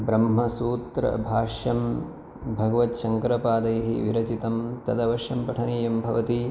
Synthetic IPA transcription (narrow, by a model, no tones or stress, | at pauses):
bɾɐmɦɐsuːt̪ɾɐ̰bʱaːʂjɐm | bʱɐɡɐʋɐt̪ʃɐŋkɾɐpaːd̪ɐjɐɦḭʋiɾɐt͡ʃit̪ɐmt̪ɐd̪ɐʋɐʃɐmpɐʈʰɐniːjɐmbʱɐʋɐt̪i